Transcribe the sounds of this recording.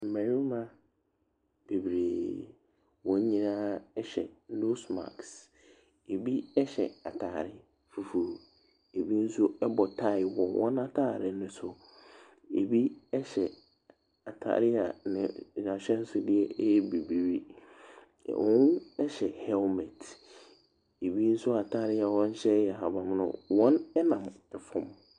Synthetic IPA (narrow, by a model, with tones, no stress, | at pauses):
m̩˨mɛ̃˨ɾi˦mã˦ | b̥e˨bɾeː˨ | wɔ̃˨ɲ˦ɲĩ˦nãː˦ɛ˦ɕɛ˨nu˦sma̰˨ks | e˨bi˦ɛ˦ɕɛ˨a˨tʰaː˨ɾɪ˦ | fu˨fu˨ɾ | e˨bi˦n̩˦sʊ˦ɛ˦bɔ˨tʰa˦˨ɪ˨wɔ̃˨wʔɔ̰̃˦nã˦tʰaː˦˨ɾɪ˨nʊ̃˨sʊ˨ | ḛ˨bi˦ɛ˦ɕɛ˨ | a˨tʰa̰ː˨ɾɪ˦a̰˨nɪ̃˨ɲã˨ɕᶣɛ˦n̩˦sʊ˨dɪ˦ɛ˦jɛ˦bi˨bi˨wi˦˨ | ɔ˦ɛ˦ɕɛ˨hɛ˦lmɛ˨tʰ | e˨bi˦n̩˦sʊ˦a˨tʰaː˦˨ɾɪ˦a˨wɔ̃˦ɲ˦ɕɛ˦jɛ˨ɦa˨ba˨m˦nʊ̰̃˨wɔ̃˦nɛ˦nã˨m | ɛ˨fʊ̃˦m